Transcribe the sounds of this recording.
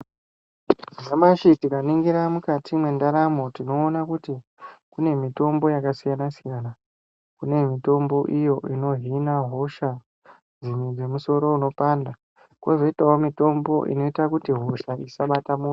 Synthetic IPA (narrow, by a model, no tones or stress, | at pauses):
ʐamaʃitikaniŋɡiɾamukatʰimwe̞ndaɾamo̞tino̞ːnakuti | kune̞mito̞mbo̞jakasijanasijana | kune̞mito̞mbo̞ʔijo̞ʔino̞ɦinaɦo̞ʃa | d͡zimwed͡zemuso̞ɾo̞uno̞panda | kwozo̞itawomito̞mbo̞̰ʔḭno̞itakutiɦo̞ʃaisaɓatamu